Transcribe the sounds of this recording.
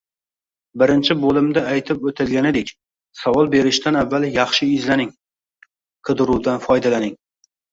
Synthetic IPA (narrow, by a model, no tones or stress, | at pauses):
bɪɾɪnt͡ʃʰɪbolɪmd̪aajt̪ʰɪpot̪ʰɪlɡʲanɪd̪ekʲ | savɒlˠbe̞ɾɪʃt̪anavːaljɑχʃɪɪzlanɪŋ | qʰɨd̪ɪɾuwd̪anfɒjd̪alanɪŋ